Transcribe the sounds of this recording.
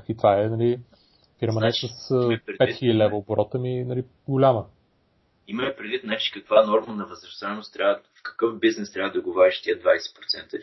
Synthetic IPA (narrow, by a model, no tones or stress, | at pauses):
kit̪vaɛnɐli | fiɾmənɛsəsɾpɛxilʲəd̪ilɛvəbɾɔt̪əminɐli | ɡʊlʲamə | iməlɛpɾɛd̪vit̪nalit͡ʃi̥kəkvanɔɾmənɐvəzɾɐst̪aɛnʊst̪ːɾʲavəfkə̥kɤfbiznɛst̪ɾʲavəd̪ɐɡovɔɾʲiʃt̪iəd̪vajsɛ̥pɾot̪sɛnt̪ə